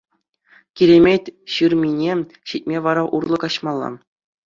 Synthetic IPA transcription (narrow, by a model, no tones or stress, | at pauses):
kʲiɾʲemʲetʲɕɯrmʲinʲe | ɕit̚ʲmʲeʋɑɾɑʔurlˠɤ̆kɑɕmɑlˠːɑ̰